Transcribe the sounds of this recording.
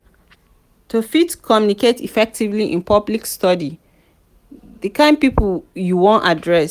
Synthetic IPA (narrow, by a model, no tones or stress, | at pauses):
tʰofitkʰɔmjuniketʰifɛk̚tʰivliʔḭ̃npʰɔblikstɔdi | ðəkãɪ̃n̚pipjuwɔ̃nadɹɛs